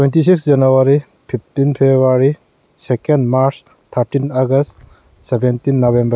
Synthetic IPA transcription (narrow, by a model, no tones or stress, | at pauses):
twentisiksd͡ʒɐnuwaɾi | pʰip̚ʰtinpʰeaɾi | sekendmaɾs | t̪ʰaɾtinaɡɐst | sebʱentinːɔbembɐɾ